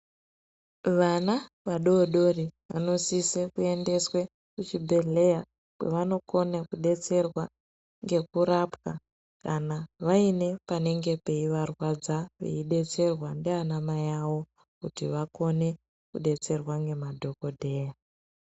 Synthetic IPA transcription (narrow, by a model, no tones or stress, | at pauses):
ʋana | ʋaɗoɗo̞riʋa̰no̞sisekue̞nde̞swe | kut͡ʃibʱe̞ɮe̞ja | kwḛʋano̞ko̞nekuɗe̞t͡se̞rwa | ŋɡe̞kuɾapka | kanaʋaine̞pane̞ŋɡe̞pe̞iʋarwad͡zaʋḛiɗe̞t͡se̞rwandeanamajawo̞ | kutiʋako̞ne̞ | kuɗe̞t͡se̞rwaŋɡe̞madʱo̞ko̞dʱe̞ːja